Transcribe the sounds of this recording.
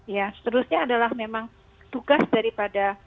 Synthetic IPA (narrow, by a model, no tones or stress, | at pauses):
jasə̥t̪əɾusɲaːdalahmemaŋ | t̪uɡasdaɾipada